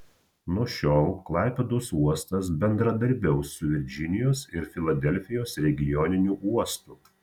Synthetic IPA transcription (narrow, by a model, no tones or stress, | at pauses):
nuɔʃʲoːlˠklˠɑˑɪpʲɛd̪oːsuɔst̪ɐsbʲɛnd̪ɾɐd̪ɐɾʲbʲɛʊsʊʋʲɪɾʲd͡ʒʲɪnʲɪjoːsɪɾfʲɪlˠɐd̪ʲɛlʲfʲɪjoːsɾʲɛɡʲɪjɔːnʲɪnʲuːʔuɔst̪ʊ